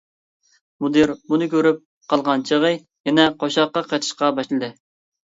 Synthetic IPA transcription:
mud̪ɨɾbunɨkʲøɾyp̚ | qʰɑlˠʁɑnt͡ʃʰəʁɨ | jɛnɛqʰoʃɑqːɑqʰɑjt̪ʰɨ̥ʃqɑbɑʃlˠɨd̪ɨ

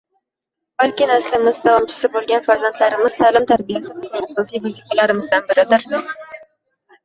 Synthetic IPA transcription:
b̥alˠkʲɪnaslɪmɪzd̪avɒmt͡ʃʰɪ̥sɪbolˠɡʲanfaɾzant̪laɾɪmɪzt̪ʰaːlɪmt̪ʰaɾbijasɪbɪznɪŋɑsɒsijvazifalaɾɪmɪzd̪anbɪɾɪd̪ɪɾ

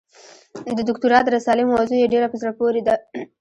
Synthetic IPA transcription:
d̪əd̪ʊkt̪uɾɑd̪əɾasɑlɪmazojeɖeɾapəzɾapoɾed̪a

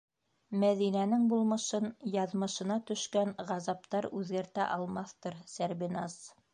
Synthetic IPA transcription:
mæðinænɘŋbulˠmɤ̆ʃɤnjɑðmɤ̆ʃɤ̆nɑt̪ɵ̆ʃkænʁɑzɑp̚t̪ɑɾʉðɡæɾt̪æ̰ʔɑlˠmɑθt̪ɤɾsæɾβinɑs

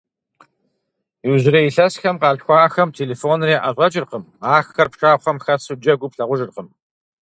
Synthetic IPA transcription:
iwzɪɾɐjiɬɐsxɐmqɑːɮxʷɑːxɐmtʰeːleːfoːnreːʔɐɕʷʼɐt͡ʃʼɪrqəm | aːxxɐrpʂʼaːχʷɐmxɐsɨd͡ʒɐɡʷʊpɬɐʁʷʊʒɨrqəm

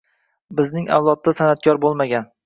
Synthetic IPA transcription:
bɪznɪŋa̰wlˠɒt̪̚ːasanat̪̚kʲɒɾbolˠmaɡʲan

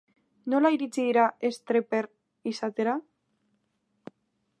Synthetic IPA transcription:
no̞laiɾit͡siðiɾae̞st̪ɾepeɾ | isat̪e̞ɾa

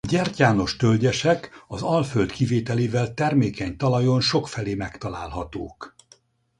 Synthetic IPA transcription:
ɟɛrcaːno̞ʃt̪ølɟɛʃɛkɒzɒlføld̪kiveːt̪ɛleːvɛlt̪ɛrmeːkɛɲt̪ɒlɒjonʃo̞kfɛleːmɛkt̪ɒla̰ːlɦɒt̪o̰ːk

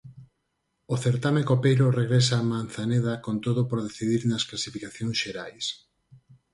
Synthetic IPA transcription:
oθeɾt̪amekopejɾoreɣɾes̬aːman̟θaneðakont̪oðopoɾðeθiðiɾnɐsklasifikaθjõŋsʃeɾajs

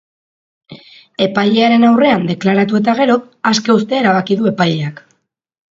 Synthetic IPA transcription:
e̞paʎe̞aɾe̞nawre̞and̪e̞klaɾat̪ue̞t̪aɣ̞e̞ɾo̞ | aske̞ust̪e̞ːɾaβakiðue̞pajʎe̞ak

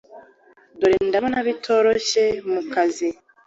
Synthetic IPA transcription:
duɾindamonaβitʰo̞ɾo̞ʃe̞mukʰazi

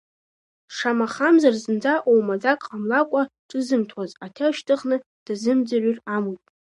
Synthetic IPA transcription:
ʂamaχamzarzɨnd͡zaʔowmad͡zakʼqʼamlakʷʼaʈ͡ʂʼɨzɨmtʰwazatʰeʃtʰɨχnɨ | d̥azɨmd͡zaryramujpʼ

